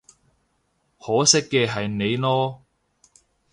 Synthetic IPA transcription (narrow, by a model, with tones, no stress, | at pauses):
hɔː˨˥sɪ˥kːɛː˧ɦɐ˨jne˨˧jlɔː˥